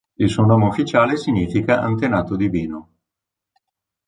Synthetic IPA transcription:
ilsuonoːmeufːit͡ʃaːlesiɲiːfikaʔa̰nt̪enaːt̪od̪iviːno

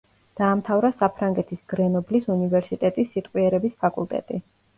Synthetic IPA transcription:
d̪̥aːmt̪ʰavɾasapʰɾaŋɡɛt̪ʰisɡ̥ɾɛnɔblisunivɛɾsit̪ʼɛt̪ʼisːit̪ʼqʼwiɛɾɛbispʰakʼṵlˠt̪ʼɛ̰t̪ʼi

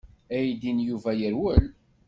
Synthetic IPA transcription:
æjd̪injuvæjəɾwəl

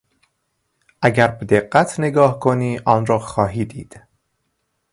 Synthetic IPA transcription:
ʔæɟæɾbed̪eɢːæt̪ʰne̞ɡɒːhkʰoniːʔɒːnɾɒːxɒːɦiːd̪iːd̪̥

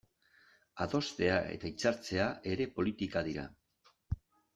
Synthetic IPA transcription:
aðo̞st̪e̞ae̞̰t̪ait͡saɾt͡se̞ae̞ɾe̞po̞lit̪ikaðiɾa̰

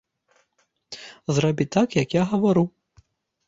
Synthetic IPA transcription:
zrabʲit̪akjɐkjaɣɐvaɾu

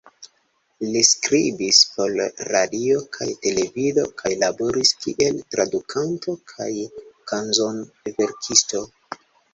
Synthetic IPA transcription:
liskɾibispo̞lɾadio̞kʰa̰jte̞le̞vido̞̰kʰajlabo̞ɾiskḭʔe̞ltɾadukʰanto̞kʰajkanzo̞n | ve̞ɾkʰisto̞

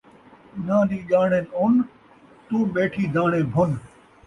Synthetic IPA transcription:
ɪnãːɗiːʄaːɳeːnʊn | t̪ũːɓeːʈʰiːd̪ʱaːɳ̃ẽːbʱʊn

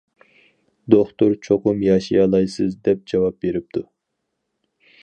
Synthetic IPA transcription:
d̪oχt̪uɾt͡ʃʰoqʊmjɑʃijɑlˠɑjsɨzd̪ɛp̚d͡ʒɑwɑp̚beɾɪp̚d̪ʰu

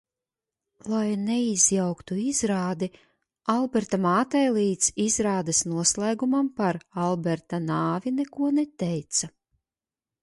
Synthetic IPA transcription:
lˠajnɛiz̥jawkt̪uizɾaːd̪i | alˠbɛɾt̪amaːt̪ɛjlˠiːt̪sizɾaːd̪asnuɔslˠæjɡumampaɾalˠbɛɾt̪anaːvinɛkuɔnɛt̪ɛjt̪sa

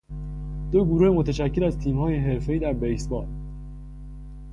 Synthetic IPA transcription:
d̪̥oɡuɾuːhemot̪ʰeʃæcʰːelæzt̪ʰiːmhɒːjeɦe̞ɾfeiːd̪æɾbejsbɒːl

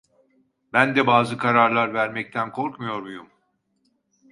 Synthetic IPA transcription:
bænd̪ɛbaːzɯkʰaɾaɾlˠaɾvæɾmɛc̚t̪ʰænkʰo̞ɾkmujo̞ɾmujum

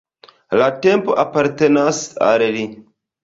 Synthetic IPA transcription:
latempoʔapaɾtenasa̰lli

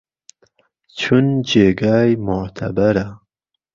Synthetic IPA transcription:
t͡ʃʰund͡ʒeːɡaːjmʊʕt̪ʰɐ̰bɐɾa

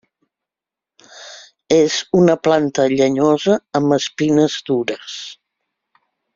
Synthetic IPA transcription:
ezunəplant̪əʎəɲozəːmbəspinəzd̪uɾəs

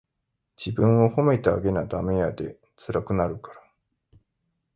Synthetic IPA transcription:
d͡ʑibɯ̟̃ɰ̃o̞ho̞me̞t̪aaɡe̞nad̪ame̞jad̪e̞ | t͡sɨɾakɯ̟naɾɯ̟kḁɾa

